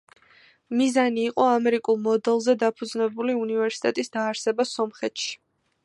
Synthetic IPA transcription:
mizaniːqʼɔamɛɾikʼulˠmɔd̪ɛlˠzɛd̪apʰud̪znɛbuliunivɛɾsi̥t̪ʼɛt̪ʼisd̪aːɾsɛbasɔmχɛt̪ʃi̥

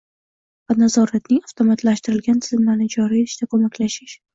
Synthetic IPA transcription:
vanazɒɾat̪nɪŋaft̪ʰomat̪ʰlaʃt̪ɪɾɪlɡʲant̪ʰɪzɪmlaɾnɪd͡ʒɒɾiɪʃd̪akʰomakʲʰlaʃɪʃ

